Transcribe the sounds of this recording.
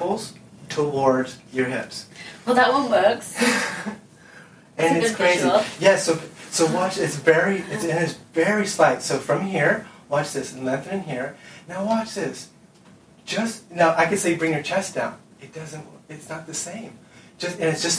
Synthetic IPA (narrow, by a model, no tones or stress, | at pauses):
l̩ˠz̥tʰəwɔɹdz̥jə˞ɦɪ̰pswɛlˠðəʔ̚wʌ̃nwɜ˞ks | ʔɨ̃nɨtskʰɹeɪzijɛsoʊsoʊwɑt͡ʃɪtsvɛɹiɪtsɨ̃nɨtsvɛɹislaɪtsoʊfɹʌ̃mhiɹwɑt͡ʃðɪsn̩lɛ̃nθə̃˞ɨ̃nɦiɹnaʊwɑt͡ʃðɪs | d̥ʒ̥ʌst̚noʊʔaɪkɨ̃nseɪbɹɪ̃ŋjə˞t͡ʃʰɛsd̥ã̰ʊ̃n | ɨt̚d̥ʌzɨ̃nʔɨtsnət̪̚ðɨsẽɪ̃md̥ʒ̥ʌstɨ̃nɨtsd̥ʒ̥ʌs